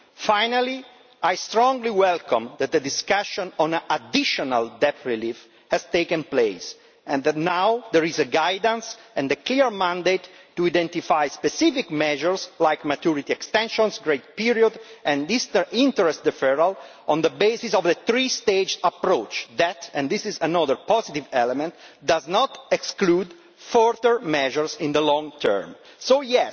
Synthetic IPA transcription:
fajnali | ajst̪ɾɔ̃ŋɡliwɛlkɔ̃md̪ɛt̪̚d̪əd̪iskaʃɔ̃nɔ̃nʔad̪iʃɔna̰ld̪ɛpɹilif | hɛzt̪eːkə̃nplejs | ɛ̃nd̪ɛnawd̪ɛɹizəɡajd̪ə̃nsɛ̃nd̪əkliəɹmãnd̪ejt̪ːuid̪ɛ̃nt̪ifajspɛsifikmɛʒəɹslajkmat̪uɹit̪iɛkst̪ɛ̃nʃɔ̃nsɡɹet̪̚piɹiɔd̪ɛ̃nist̪ĩnt̪əɹɛst̪d̪əfɛɹal | ɔ̃nd̪əbezisɔvðət̪ɾist̪ed͡ʒapɾot͡ʃd̪ɛt̪ɛ̃nd̪isizanɔðəɹpɔzit̪ivɛlɛmɛ̃nt̪d̪aznɔt̪ɛksklud̪ | fɔɹtəɹmɛʒəɹsĩnd̪əlɔ̃ŋt̪ʰɛ̰ɹm | sojɛs

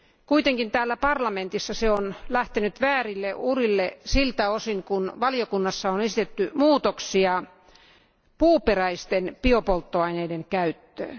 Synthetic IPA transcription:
kuit̪eŋkint̪æːlːæpɑrlɑment̪isːɑseonlæht̪enyt̪ʋæːrilːeurilːesilt̪æosiŋkunʋɑljokunːɑsːɑonesit̪et̪ːymuːt̪oksiɑ | puːperæist̪enpiopolt̪ːoɑineideŋkæyt̪ːø̰ːn

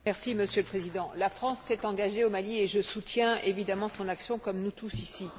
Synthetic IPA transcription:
mɛʁsiməsjøləpχezid̪ɑ̃lafχɑ̃sːɛt̪ɑ̃ɡaʒeomalieʒəsut̪jɛ̃evid̪amɑ̃sɔ̃naksjɔ̃kɔmnut̪usisi

